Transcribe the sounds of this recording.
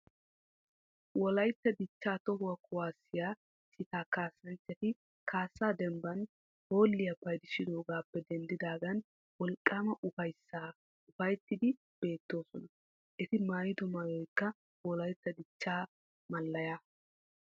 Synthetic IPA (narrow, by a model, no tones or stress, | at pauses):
wɔlɐjt̪ːɐd̪ɪt͡ʃːaːt̪ɔhʊwɐkʰʊwaːsːɪjaː | sɪt̪aːkaːsːɐnt͡ʃːɛt̪ɪ | kʰaːsːaːd̪ɛmbɐn | ho̞ːlːɪjɐpːɐjd̪ɪʃɪd̪o̞ːɡaːpːɛd̪ɛnd̪ɪd̪aːɡɐn | wɔlkʼːamɐʔʊfɐjsːaː | ʊfɐjt̪ːɪd̪ɪ | b̥e̞ːt̪ːo̞ːsɔnɐ | ʔɛt̪ɪmaːjɪd̪ɔmaːjɔjkːɐ | wɔlɐjt̪ːɐd̪ɪt͡ʃːaː | mɐlːɐja